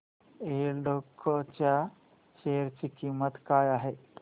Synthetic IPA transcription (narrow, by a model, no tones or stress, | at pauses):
eɾɖokʰːot͡ɕja | ɕejəɾt͡ɕikimət̪kaːjaɦe